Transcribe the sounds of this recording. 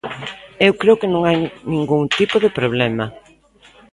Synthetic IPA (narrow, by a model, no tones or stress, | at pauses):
ewkɾeokɪnõŋajnĩŋɡuŋt̪ipoðepɾoβ̞lɛma